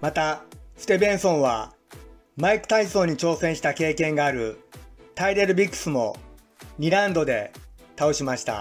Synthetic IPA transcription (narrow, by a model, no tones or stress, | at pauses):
mat̪asɨ̥t̪e̞bẽ̞ɰ̃sõ̞ɰ̃βa | maikɯ̟̥t̪aisoːɲ̟ːit͡ɕo̞ːsẽ̞ɰ̃ɕi̥t̪ake̞ːkẽ̞ŋɡaːɾɯ̟t̪aiɾe̞ɾɯ̟bʲikːɯ̟̥sɨmo̞̰ | ɲʲiɾãnd̪o̞d̪e̞t̪ao̞ɕimaɕi̥t̪a̰